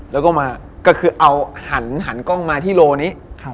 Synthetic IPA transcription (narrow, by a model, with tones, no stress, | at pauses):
lɛ˦˥wkɔː˥˩maː˧ | kɔː˥˩kʰɯː˧ʔa˧wha˩˦nɦa˩˦nkɔ˥˩ŋmaː˧t̪ʰiː˥˩loː˧niː˦˥˧